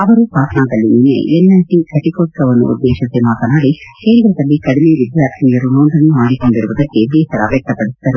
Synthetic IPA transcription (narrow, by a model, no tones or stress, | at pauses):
ɐʋɐɾupaːsɐnaːd̪ɐlːininḛɛlːɐnʈikʰɐʈikoːʈːɐʋɐnːṵṵd̪ːeːʂisemaːt̪ɐnaːɽikeːɾiɡɾɐd̪ɐlːikɐɽimeʋid̪jaːk̪ɐnijɐɾunoːnd̪ɐnːumaːɽiko̞ɳɖiɾuʋud̪ɐkːed̪ɛːʃɐɾɐ̰bjɛk̚t̪ɐpɐɽisid̪ɐɾu